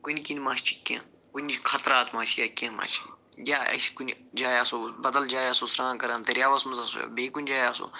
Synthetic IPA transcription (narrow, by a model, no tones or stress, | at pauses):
kunʲkinmaːʃt͡ʃʰi̥kʲːã̰ː | kunʲt͡ʃkʰɐt̪ɾaːt̪maːt͡ʃʰijaːkʲãːma̰ːt͡ʃʰijaːɐ̰skunʲd͡ʒaːjaːsoːbɐd̪ɐld͡ʒaːjaːsoːsɾãːnkɐɾãːnt̪ɐɾʲjaːʋɐsmɐzɐso̰beːkunʲd͡ʒaːjaːso̰ː